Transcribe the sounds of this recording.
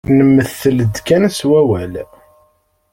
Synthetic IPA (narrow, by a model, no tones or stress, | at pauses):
nəmːəθːələd̪kænswæwæl